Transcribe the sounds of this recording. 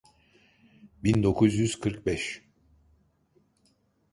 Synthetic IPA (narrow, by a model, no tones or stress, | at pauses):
bind̪o̞kʰuzjyz̥kʰɯɾkbɛʃ